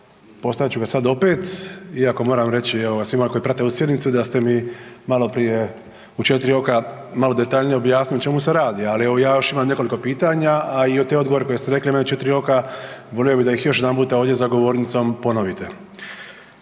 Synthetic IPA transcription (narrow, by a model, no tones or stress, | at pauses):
po̞st̪aʋjt͡ɕuɡasad̪o̞peːt̪iako̞mo̞ːɾamɾe̞t͡ɕieʋoɡasʋimolkoipɾat̪eusjed̪nit̪sud̪ast̪e̞mimalˠo̞pɾije̞ | ut͡ʃe̞t̪iɾio̞ka | malo̞d̪e̞t̪aʎnijeo̞bjaːsniot͡ɕmuseɾaːd̪ialieʋo̞jaːjo̞ʃimamne̞koliko̞piːt̪aɲaaiot̪eod̪ɡoo̞ɾeko̞jest̪eɾe̞klimeneut͡ʃe̞t̪iɾio̞kaʋo̞lijobid̪aixjo̞ʃ̬jed̪ampuːt̪ao̞ːʋd̪ʲje̞zaɡo̞ʋo̞ːɾnit̪sompo̞no̞ʋit̪e̞